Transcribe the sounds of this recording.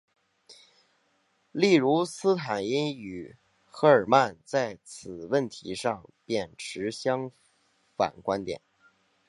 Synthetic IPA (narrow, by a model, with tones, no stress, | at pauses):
li˥˩ɻu˧˥sɹ̩˥t̪ʰa˨˩ni˥ny˨˩ | xɤ˧˥ə˞˨˩ma˥˧nt͡sa˥˩ɪt͡sʰɹ̩˨˩wə˥˩nt̪ʰḭ˧˥ʂɑ˥˩ŋpjɛ˥˩nʈ͡ʂʰɻ̩˧˥ɕjɑ˥ŋ | fa̰˨˩nkwa˥nt̪jɛ̰˨˩˦n